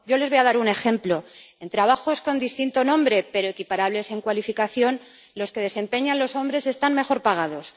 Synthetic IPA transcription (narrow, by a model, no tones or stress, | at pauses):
ɟ͡ʝo̞lezβo̞jaðaɾune̞xe̞mplo̞e̞nt̪ɾaβ̞axo̞sko̞nd̪ist̪int̪o̞nõ̞mbɾe̞pe̞ɾo̞ekipaɾaβle̞se̞ŋkwalifikaθjo̞n | lo̞ske̞ðe̞se̞mpe̞ɲanlo̞so̞mbɾe̞se̞st̪anme̞xo̞ɾpaɣ̞aðo̞s